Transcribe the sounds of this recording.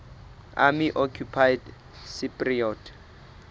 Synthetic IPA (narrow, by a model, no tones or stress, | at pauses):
a̰miʔɔkʰupʰajd | sipʼriɔːtʰ